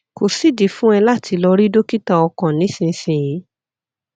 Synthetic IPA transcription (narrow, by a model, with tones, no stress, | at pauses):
ko˨si˦˨di˨fũ˦ɛ˧la˦˨tʰi˨˧˦lɔ˧ɾi˦do˦ki˦ta˧ɔ˧kã˨nĩ˨˦sĩ˧sĩ˨jĩ˨˦